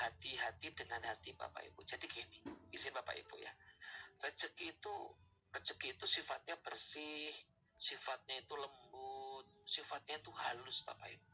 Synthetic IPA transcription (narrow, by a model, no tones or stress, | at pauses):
hat̪iɦat̪idəŋanhat̪iba̰pa̰ḭpud͡ʒadiɡeniisɪnbapa̰ḭpʊ̰ja̰rət͡ʃəkiːt̪u | rət͡ʃəkiːt̪usifat̪̚ɲabərsɪh | sifat̪̚ɲait̪uləmbʊt̪̚sifat̪̚ɲait̪uhalʊsba̰pa̰ḭpu